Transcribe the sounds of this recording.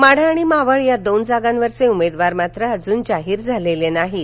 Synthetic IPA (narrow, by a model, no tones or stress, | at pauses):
maɽ̤aːɽ̃imaʋəɭjad̪ond͡zaɡãnʋəɾseumed̪ʋaɾmat̪ɾəəd͡zuːnd͡ʑaɦiːɾd͡zʱalelenaɦi